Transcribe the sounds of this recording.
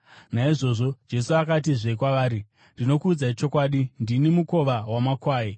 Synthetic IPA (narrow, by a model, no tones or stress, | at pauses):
naiʐo̞ːʐo̞d͡ʒe̞suakat̬iʐekwaʋaːɾi | ndino̞kuːd͡zait͡ʃo̞kwaːɗindinimuko̞ʋawamakwaːje